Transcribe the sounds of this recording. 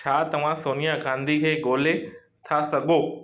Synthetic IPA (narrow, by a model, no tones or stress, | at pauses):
t͡ɕʰaːt̪ɐʋ̤ãsoːnijaɡãːnd̪ʱikʰeːɡoːle | t̪ʰasɐɠʱoː